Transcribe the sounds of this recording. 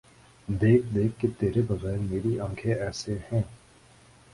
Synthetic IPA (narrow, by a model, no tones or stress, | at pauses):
d̪eːk̚ʰd̪eːkʰːet̪eːɾebɐɣɛːɾmeːɾiãːkʰeɛːsehɛ̃ː